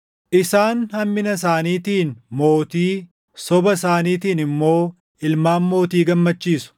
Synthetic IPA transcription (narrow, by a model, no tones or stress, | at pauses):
ʔɪsaːnhɐmːɪnɐs̬aːniːt̪iːnmo̞ːt̪iː | sɔbɐsaːniːt̪iːnɪmːo̞ː | ɪlmaːnmo̞ːt̪iːɡɐmːɐt͡ʃːiːsʊ̥